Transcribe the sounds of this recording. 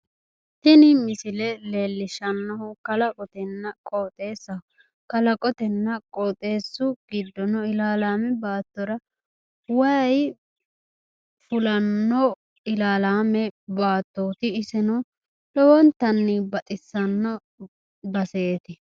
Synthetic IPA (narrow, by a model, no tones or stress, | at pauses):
t̪ɪnɪmɪsɪlɛle̞ːlːɪʃɐnːɔhʊkɐlɐkʼɔt̪ɛnːɐkʼoːt̪ʼe̞ːsːɐ | kɐlɐkʼɔt̪ɛnːɐkʼoːt̪ʼe̞ːsːʊɡ̥ɪd̪ːɔnɔɪlaːlaːmɛbaːt̪ːɔɾɐ | wɐj | fʊlɐnːɔ | ɪlaːlaːmɛbaːt̪ːoːt̪ɪːsɛnɔ | lɔwɔnt̪ɐnːɪbɐt̪ʼɪsːɐnːɔ | bɐseːt̪ɪ